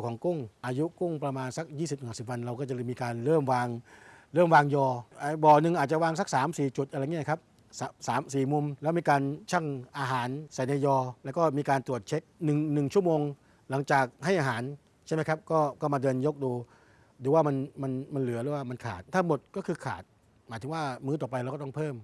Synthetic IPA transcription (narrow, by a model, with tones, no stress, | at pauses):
kʰɔː˩˦ŋku˥˩ŋʔaː˧ju˦˥ku˥˩ŋpɾa˧maː˧nsa˧˦˥k̚jiː˥˩si˨˩n˨˩˨si˨˩p̚wa˧nɾa˧wkɔː˥˩t͡ɕa˨˩lɤː˧˩jmiː˧kaː˧nɾɤː˥˩mwaː˧ŋɾɤː˥˩mwaː˧ŋjɔː˧ʔa˧bɔː˨˩nɯ˨˩ŋʔaː˨˩t͡ɕa˨˩waː˧ŋsa˧˥k̚saː˩˦msiː˨˩t͡ɕu˨˩t̪ʔa˧ɾa˧jŋi˥˨˩kʰa˦˥p̚ | sa˨˦saː˩˦msiː˨˩mu˧mlɛ˦˥wmiː˧kaː˧nt͡ɕʰa˥˩ŋʔaː˧ɦaː˩˦nsa˨˩jna˧jɔː˧lɛː˦˥wkɔː˥˩miː˧kaː˧nt̪ɾu˨˩ət̪̚t͡ɕʰe˦˥k̚nɯ˨˩ŋnɯ˨˩ŋt͡ɕʰu˥˩əmoː˧ŋ | la˩˦ŋt͡ɕaː˨˩k̚ha˥˩jʔaː˧ɦaː˩˦n | t͡ɕʰma˦˥kʰa˦˥p̚kɔː˥˩kɔː˥˩maː˧dɤː˧njo˦˥k̚duː˧ | duː˧˦waː˥˩ma˧nma˧nma˧nlɯ˩˦ɐlɯː˦waː˥˩ma˧nkʰa̰ː˨˩t̪̚ʰːa˥˩ŋmo˨˩t̪̚kɔː˥˩kʰɯː˧kʰa̰ː˨˩t̪̚ | maː˨˦t̪ʰɯ˩˦waː˥˩mɯː˦˥t̪ɔː˨˩p̬a˧jɾwkɔ˥˩ɔ˥˩ŋpʰɤː˥˩m